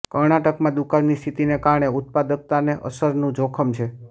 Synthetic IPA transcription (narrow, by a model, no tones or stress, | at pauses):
kəɾɳaʈəkmãd̪ukannist̪ʰit̪inekaɾɳ̃eʊt̪̚pad̪ək̚t̪aneʔə̰səɾnũd͡ʒokʰəmt͡ʃʰe